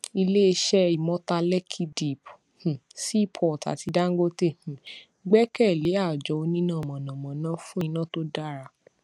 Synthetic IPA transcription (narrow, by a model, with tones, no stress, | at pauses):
i˧le˦e˧ʃɛ˦i˨mɔ̃˦ta˧lɛ˦kʰi˦di˨p | h̩˨si˦i˦˨pʰɔ˨ta̰˨ti˧da˦ŋ̩˦ɡo˦te˦˨h̩˨ | ɡ͡bɛ˦kɛ˦˨le˨˦a˦˨d͡ʒɔ˨˦o˧nĩ˦nã˦˨mɔ̃˨nã˨mɔ̃˨˦nã˦fũ˦i˧nã˦to˦da˦ɾa˧˨